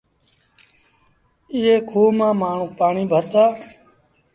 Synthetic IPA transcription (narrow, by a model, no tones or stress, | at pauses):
ɪeːkʰoːmãːmaːɳ̤ũːpaːɳiːbʱəɾd̪aː